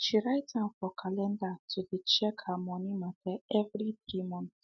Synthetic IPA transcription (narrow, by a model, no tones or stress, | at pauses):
t͡ʃiɾajtãnfɔkʰalɛ̃ndatʰudit͡ʃɛkamɔ̃nimatɛɛvɾiθɾimɔ̃n